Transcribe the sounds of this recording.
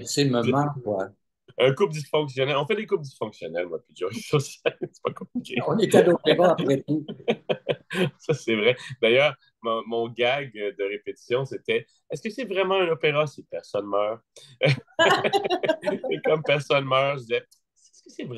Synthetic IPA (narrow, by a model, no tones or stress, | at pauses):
seməmakwa | ɛ̃kup̚d̪isfɔ̃ksjɔnɛlɔ̃fɛd̪ekup̚d̪isfɔ̃ksjɔnɛlmwapiʒɔʁisɔsɛlsɛ̥pakɔ̃plikʲʰeɔ̃net̪ɛlopeʁaapχɛt̪u | sasɛvʁɛd̪ajœːʁ | mɔ̃mɔ̃ɡaɡd̪əʁepet̪i̥sjɔ̃set̪ɛ | ɛskəsɛvʁɛmɑ̃ɛ̃nopeʁasipɛʁsɔnmœːʁ | kɔmpɛʁsɔnmœːʁʒzɛ | ɛɛskəsɛvʁ